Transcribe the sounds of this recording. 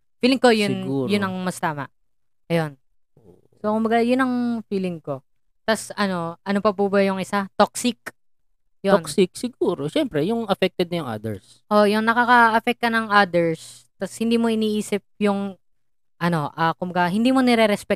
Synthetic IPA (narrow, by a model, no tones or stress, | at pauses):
fiːlɪŋkojʊɡuːjʊnɐŋmɐst̪aːmɐ̰ʔ | ɐjo̞n | o | so̞kʊmbɐɡajʊnːɐŋfiːlɪŋko̞ | t̪ɐsɐno̞ʔɐno̞pɐpuːbɐjʊŋʔɪsat̪ok̚sɪk̚ | jonsɪk̚sɪɡuːɾoʃɛmpɾɛjʊŋʔɐfɛk̚t̪ɛd̪̚nɐjʊŋʔa̰d̪ɛ̰ɹs | ʔo̞jʊŋnɐkɐkɐʔɐfɛk̚kːɐnɐŋʔad̪ɛɹs | t̪ɐshɪnd̪iːmo̞ʔɪniːʔiːsɪp̚jʊŋ | ʔɐno̞ʔɐkʊmbɐɡaɦɪnd̪iːmonɛɾɛɾɛspɛk̚